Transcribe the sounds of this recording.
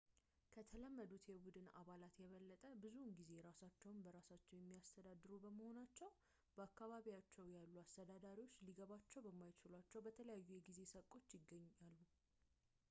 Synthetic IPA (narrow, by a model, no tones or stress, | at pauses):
kʰət̪ʰələmːəd̪ut̪jɛbud̪ɨna̰βalat̪jɛβəlːət̪ʼəbɨzunɡize̞ɾasat͡ʃːɛwnbəɾasat͡ʃːɛwjɛmːijast̪ʰəd̪ad̪ɨɾubəməho̞nat͡ʃːɛw | b̥əakːaβaβijat͡ʃːɛwjalːuast̪ʰəd̪ad̪aɾiwo̞t͡ʃːliɡəβat͡ʃːɛwbəmːajt͡ʃɪlwat͡ʃːɛwbət̪ʰələjajːujɛɡize̞səkʼo̞t͡ʃːjɪɡəɲːalːu